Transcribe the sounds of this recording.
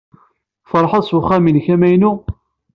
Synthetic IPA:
fəɾˤħɑsuχæminçæmæjnu

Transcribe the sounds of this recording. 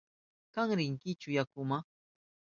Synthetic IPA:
kaŋɾɪŋkɪt͡ʃʊjakʊma

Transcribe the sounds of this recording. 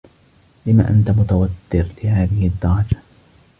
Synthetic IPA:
lɪma̰ːʔant̪amʊt̪awat̪ːɪɾlɪhaːðɪhɪd̪ːɑɾˤɑd͡ʒa

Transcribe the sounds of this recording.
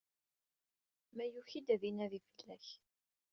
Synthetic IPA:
mæjuçid̪æðinæðifəlːæç

